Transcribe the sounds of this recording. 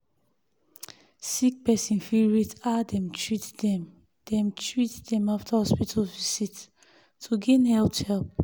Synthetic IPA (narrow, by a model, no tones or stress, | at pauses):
sik̚pɛsĩnfiɹitadɛ̃mtʰɹitdɛ̃m | d̥ɛ̃mtɹitdɛ̃maftʰahɔspitʰalvisit | tʰuɡẽnhɛlpthɛlp̚